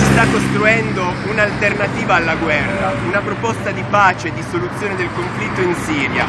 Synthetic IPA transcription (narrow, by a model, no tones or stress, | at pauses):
sist̪akːost̪ɾuɛnd̪ounalt̪ernat̪iːvaːlːaɡwɛrːaunapɾopɔst̪ad̪ipaːt͡ʃed̪ːisolut̪sːjoːned̪elkoɱflit̪ːoinsiːɾja̰